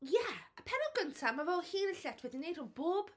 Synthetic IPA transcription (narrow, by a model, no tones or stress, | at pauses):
jɛəpʰɛɾɔɡəntʰamavɛlˠhiːnənɬɛtʰwɛðinejd̥ʊnb̥oːb̥